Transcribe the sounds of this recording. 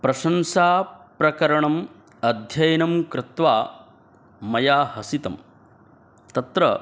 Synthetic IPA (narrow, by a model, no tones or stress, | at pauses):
pɾɐʃɐmsaːpɾɐkɐɾɐɳɐm | ɐd̪ʱjɐjɐnɐmkɾɪt̪ʋaː | mɐjaːhɐsit̪ɐm | t̪ɐt̪ɾɐ̰